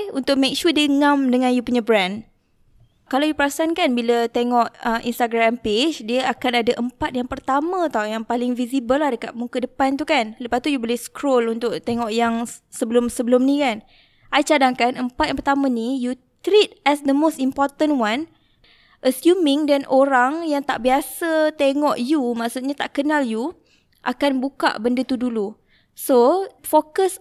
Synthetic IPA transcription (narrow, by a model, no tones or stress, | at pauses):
unt̪ʊʔ̚mek̚ʃudəŋãmdəŋãnjupuɲəbɾɛ̃n | kalawjupəɾasankanbilət̪eŋɔʔəmʔḭnst̪aɡɾamped͡ʒdiəakanadəʔəmpat̪̚jaŋpərt̪amə̃t̪awjaŋpalɪŋvisibəlahdəkat̪̚muŋkədəpant̪ukanləpast̪ujubolɪhskʰɾolunt̪ʊʔt̪eŋɔʔjaŋsəbəlʊmsəbəlʊmnĩkan | ʔajt͡ʃadaŋkanʔəmpat̪jaŋpərt̪amãniju | t̪ɾit̪̚ʔɛsd̪əmost̪impɔrt̪ə̃nwan | ʔəsjumɪ̃ŋdanoɾaŋjaŋt̪aʔbiasət̪eŋɔʔjumãʔsut̪̚ɲat̪aʔkənalju | ʔakanbuka̰ʔbəndət̪udulu | sofokəs